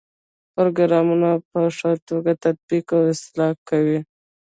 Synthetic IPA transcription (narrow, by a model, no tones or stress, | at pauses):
pɾoɡɾɑmunapəʂat̪oɡat̪ad̪̚bikawɪst̪ɪlɑkːawi